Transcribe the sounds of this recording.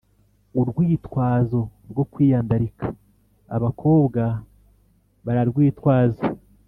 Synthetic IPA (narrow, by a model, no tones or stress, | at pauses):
uɾɡwiːtwaːzo̞ɾɡo̞kwiːjaːndaɾikʰḁ | a̰βakʰo̞ːβɡa | βaɾaɾɡwiːtwaːza